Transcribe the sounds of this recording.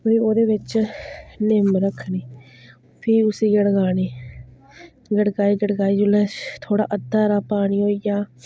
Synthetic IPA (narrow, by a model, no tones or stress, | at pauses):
oiːoːd̪eːʋɪt͡ʃ | nɪmɾəkʰniː | pʰiːʊsiːɡəɽɡaːneː | ɡəɽkaːiːɡəɽɡaːiːd͡ʒʊlɛːt̪ʰoːɽa̰ːʔəd̪aːɾaːpaːɽ̃iːoːijaː